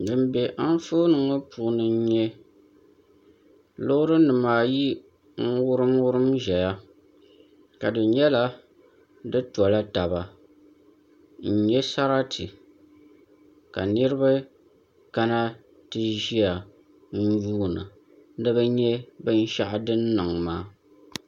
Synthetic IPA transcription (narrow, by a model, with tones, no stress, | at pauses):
dɨ˨mbɛ˨ʔa˦n˦fo˦nɨ˨ŋo˦pu˨ʔnɨ˨˦ɲɛ˦ | lʊ˦ʔʊ˦ɾɨ˦nɨ˨maː˨ji˦ | ŋ̩˦wʊ˦ɾɨ˦mwʊ˦ɾɨ˦mʒɛ˨ja˦ | ka˨dɨ˨ɲɛ˦la˦ | dɨ˦tu˨a˨la˦ta˨ba˨ | n̩˨ɲɛ˦sa˦ɾa˦tʰi˨ | ka˨nɨ˦ɾɨ˦ba˦ | ka˦na˦ | tɨ˦ʒi˦a˨ | n̩˦juː˦nɨ̰˨˦ | dɨ˦bɨ˦ɲɛ˦bɨ˦n̩˦ʃa˦ʔa˨dɨ˦nːɨ˨ŋmaː˦